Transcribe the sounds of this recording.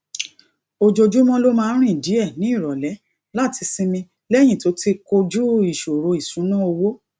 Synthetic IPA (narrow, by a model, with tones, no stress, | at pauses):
o˨d͡ʒo˧d͡ʒu˨˦mɔ̃˧lo˦mãː˦˧˦ɾ̃ĩ˦˨di˨˦ɛ˦˨nĩ˨˦i˦˨ɾɔ˨lɛ˨˦ | la˦˨ti˧si˧mĩ˧ | lɛ˦˨j̃ĩ˦˨to˨˦ti˦ko˧d͡ʒu˦i˨ʃo˨ɾo˧i˨sũ˨˦nã˦o˧wo˦